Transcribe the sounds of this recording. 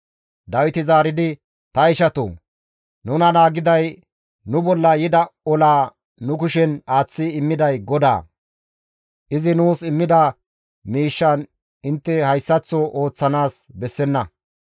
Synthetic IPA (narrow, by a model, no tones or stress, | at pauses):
d̪ɐwɪt̪ɪzaːɾɪd̪ɪ | t̪ɐɪʃɐt̪o̰ː | nʊnɐnaːɡɪd̪ɐj | nʊbɔlːɐjɪd̪ɐɔlaː | nʊkʊʃɛnaːt͡sːɪɪmːɪd̪ɐjɡɔd̪a̰ː | ʔɪzɪnuːsɪmːɪd̪ɐ | miːʃːɐn | ɪnt̪ːɛhɐjsːɐt͡sːɔʔo̞ːt͡sːɐnaːsbɛsːɛnːɐ